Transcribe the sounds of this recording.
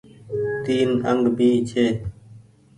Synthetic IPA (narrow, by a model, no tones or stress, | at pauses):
t̪iːnəŋɡbiːt͡ɕʰeː